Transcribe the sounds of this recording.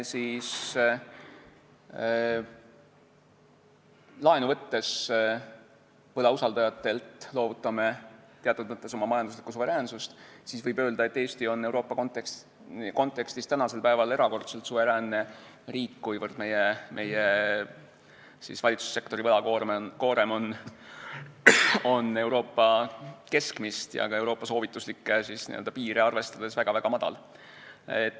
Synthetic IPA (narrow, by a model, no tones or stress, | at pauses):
siːs | lɑenuvɤt̪ːe̞s | vɤlɑusɑld̪ɑjɑt̪ːˑe̞lt̪ˑlo̞ːvut̪ːˑɑme̞t̪eɑt̪ːˑud̪̚mət̪ˑːe̞so̞mɑmɑjɑnd̪uslikːˑusuve̞ɾæːnsust̪siːsvɤjbø̞ːld̪̥ɑe̞t̪ːe̞ːst̪io̞nːe̞wɾo̞ːpːɑkont̪ | ko̞nt̪ːˑe̞kst̪ist̪ænɑse̞lpæevɑle̞ɾɑko̞rt̪selt̪suve̞ɾæːnːe | riːkːujvɤrd̪̥me̞jemʔe̞je | sḭsvɑlʲit̪susːe̞k̚t̪o̞ɾivɤlɑkoɾmenko̞ːɾe̞mo̞n | o̞ne̞wɾo̞ːpːɑke̞skmist̪jɑ̰kɑe̞wɾo̞ːpːˑɑso̞ːvit̪ːˑuslikːesisnḭø̰ld̪ɑpiːɾeɑrve̞st̪ɑd̪̥e̞svæɡ̥ɑvæɡ̥ɑmɑd̪̥ɑ̰l | et̪ː